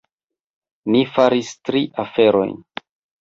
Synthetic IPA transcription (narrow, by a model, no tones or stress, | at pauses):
nifaɾistɾiʔafe̞ɾo̞̰jn